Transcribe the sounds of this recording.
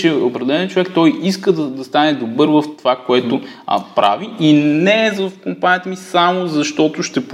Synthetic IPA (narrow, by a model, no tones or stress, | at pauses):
t͡ʃɛopɾɛd̪ɛlɛnət͡ʃovɛkt̪ɔjiskəd̪ɐd̪ɐst̪anɛd̪obɤɾvɐft̪ovakoɛt̪ʊ̰pɾa̰viinɛzɐfkompanijət̪əmisamozɐʃt̪ɔt̪ʊʃt̪ɛp